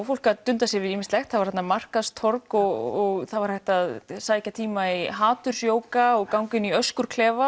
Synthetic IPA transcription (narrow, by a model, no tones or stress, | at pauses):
fowl̥kat̪ʏnt̪asjɛvɪðiːmɪst̪lɛxt̪θaðvɾ̥hat̪namar̥kaðst̪ʰɔɾkɔɣɔɣθaðvaɾ̥hajht̪aðsaːjhcat̪ʰiːmaiɦaːt̪ʏɾ̥sjoːwkaɔɣkawŋcʏniœskʏɾ̥kʰlɛːva